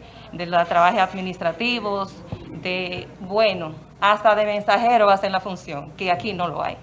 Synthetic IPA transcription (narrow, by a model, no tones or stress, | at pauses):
d̪elat̪ɾaβaheaðmĩnist̪ɾat̪iβos | d̪ebweno | ast̪aðemẽnsaheɾoβasenlafunsjoŋkeakino̞lo̰a̰j